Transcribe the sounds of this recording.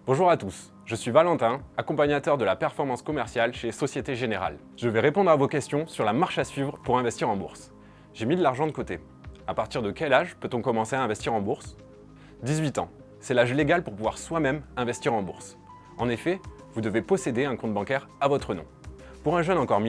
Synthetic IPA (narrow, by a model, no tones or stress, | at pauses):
b̥ɔ̃ʒuʁat̪us | ʒəsɥivalɑ̃t̪ɛ̃akɔ̃paɲat̪œʁd̪əlapɛʁfɔʁmɑ̃skɔmɛʁsjalʃesɔsjet̪eʒeneʁa̰l | ʒ̥əvɛʁepɔ̃d̪ʁavokʲɛst̪jɔ̃syʁlamaʁʃasɥivʁəpuʁɛ̃vɛst̪iʁɑ̃bṵʁs | ʒemid̪əlaʁʒɑ̃d̪əkot̪e | apaʁt̪iʁd̪əkʲɛlaʒpøt̪ɔ̃kɔmɑ̃seaɛ̃vɛst̪iʁɑ̃buʁs | d̪izɥit̪ɑ̰̃ | sɛlaʒleɡalpuʁpuvwaʁswamɛmɛ̃vɛst̪iʁɑ̃bṵʁs | ɑ̃nefɛ | vud̪əvepɔsed̪eɛ̃kɔ̃t̪̚bɑ̃kʲɛʁavɔt̪χənɔ̰̃ | puʁɛ̃ʒœnɑ̃kɔʁm